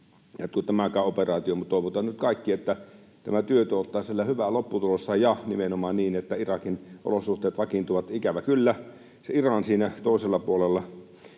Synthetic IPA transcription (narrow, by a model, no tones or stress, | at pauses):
jot̪kut̪æmækæˑoperɑːt̪iomut̪t̪oˑiʋot̪ɑnnyt̪̚kɑˑikːiet̪ːæ | t̪æmæt̪yøt̪øot̪ːˑɑːsielːæhyʋælopːut̪ulosːɑjɑnimenomɑːnniːnet̪ːæirɑkinʔo̰losˑuht̪ˑeːt̪ʋɑkint̪uʋɑt̪ikæʋækylːæ | seirɑnsiːnæt̪oˑeselːɑpuolelːɑ